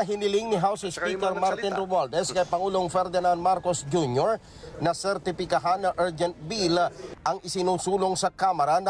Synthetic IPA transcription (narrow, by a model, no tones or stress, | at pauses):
ɐɦɪnɪlɪŋnɪɦawsɪspiːkɛɾmaɾt̪ɪnɾobald̪ɛskɐjpɐŋuːloŋfɛɾd̪ɪnand̪maɾkosd͡ʒunjoɹ | nɐsɛɾt̪ɪfɪkɐɦanːɐʔaɹd͡ʒɛnt̪̚bilʔɐŋɪsɪnuːsuːloŋsɐkamɐɾanɐ